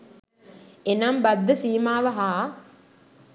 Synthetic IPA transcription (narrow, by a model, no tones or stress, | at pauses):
enambɐd̪ːɐsiːmaːʋɐɦaː